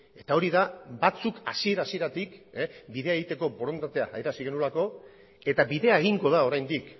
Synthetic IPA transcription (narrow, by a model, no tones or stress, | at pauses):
e̞t̪ao̞ɾiðabat͡suka̰sie̞ɾasie̞ɾat̪ikebiðe̞aeɣit̪e̞ko̞bo̞ɾo̞nt̪at̪e̞aʔːjɾasiɣe̞nulako̞ | e̞t̪abiðe̞ae̞ɣ̞iŋɡo̞ð̞ao̞ɾajnd̪ik